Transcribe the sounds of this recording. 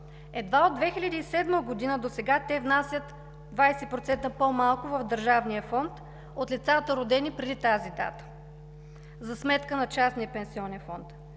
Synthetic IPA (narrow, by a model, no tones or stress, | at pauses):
ɛd̪vaod̪vɛxilʲəd̪iisɛd̪məɡod̪inəd̪osɛɡat̪ɛvnasʲjət̪ | d̪vajsɛpɾot̪sɛnt̪əpomalˠkʊvəvd̪əɾʒavnijəfɔnt̪ | ot̪lʲit̪sat̪əɾod̪ɛnipɾɛd̪it̪azid̪a̰t̪ə̥ | zɐsmɛt̪kənɐt͡ʃasnijəpɛnsiɔnɛnfɔnt̪